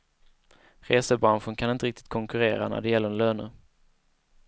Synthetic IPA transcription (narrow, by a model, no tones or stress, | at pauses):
ɾeːsəbɾanɧənkʰanɪnt̪əɾɪk̚t̪ɪ̥t̪̚kʰɔŋkɵɾeːɾa̰næ̰ɖɛjɛlːəɾɛnløːnə